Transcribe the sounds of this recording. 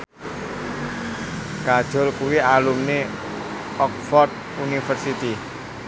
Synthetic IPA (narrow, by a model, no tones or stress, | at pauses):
ɡ̥ad̥ʒ̥ɔ̤lkuwialumne | ɔk̚fɔrd̪̚ | unifərsit̪i